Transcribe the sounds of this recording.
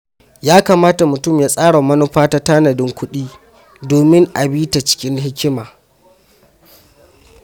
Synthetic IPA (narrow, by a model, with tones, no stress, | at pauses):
jaː˦kaː˨maː˦ta˨mʊ˨tʊ˦˨mjaː˦sʼaː˦ɽa˨mɐ˦nʊ˦ɸaː˦ta˦taː˦nɐ˨dɪ˦ŋkʷʊ˦ɗiː˦ | doː˨mɪ˦ŋʔa˨biː˦ta˨t͡ʃɪ̥˦kʲɪ˦nɦɪ˦kʲɪ˦maː˨